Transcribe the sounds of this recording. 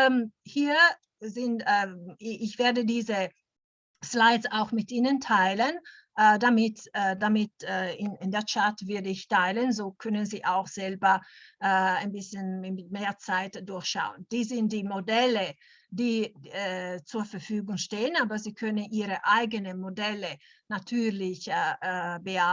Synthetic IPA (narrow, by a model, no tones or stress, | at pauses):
hiːɐ | zɪntː | ɪçv̥eːɐdədiːzə | slaɪsaʊxmɪtʔiːnəntʰaɪlənʔːdamɪtːdamɪtːɪnɪndeːɐt͡ʃatv̥ɪɐdəɪçtʰaɪlənzoːkʰœnənziːʔaʊxz̥ɛlbɐː | aɪnbɪsçənɪmeːɐt͡saɪtd̥ʊɐçʃa̰ʊənd̥iːszɪnt̚d̥iːmodɛlə | d̥iː | t͡suːɐfɛɐfyːɡʊŋʃteːənaːbɐziːkʰœnəniːɾəʔaɪɡənəmodɛlə | natʰyːlɪç | bəa